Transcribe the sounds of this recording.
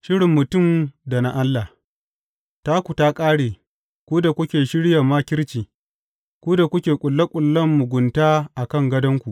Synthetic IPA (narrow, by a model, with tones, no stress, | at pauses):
ʃɪ˦ɽɪ˨mːʊ˨tʊ˦˨mda˨na˦ʔa˦lːa˨h | ta˦kʷu˨ta˦kʼaː˦ɽeː˨ | kʷu˦da˨kʷʊ˦kʲeː˨ʃɪ˦ɽja˨ma˦kʲɪ˦ɾt͡ʃiː˨ | kʷuː˦da˨kʷʊ˦kʲeː˨kʷʼʊ˨lːɐ˦kʷʼʊ˨lːɐ˦mːʊ˨ɡʷʊ˨ntaː˦ʔa˨kɐ˦ŋɡɐ˦dɐ˦ŋkʷu˨ʔ